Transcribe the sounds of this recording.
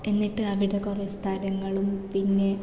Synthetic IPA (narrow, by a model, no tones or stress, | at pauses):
e̞nːiʈːɨɐʋiɽekoːrest̪ʰaːlɐŋːɐɭumpinːe̞